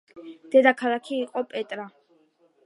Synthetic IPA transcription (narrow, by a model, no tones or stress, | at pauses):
d̪̥ɛd̪akʰalˠakʰiːqʼɔpʼɛt̪ʼɾa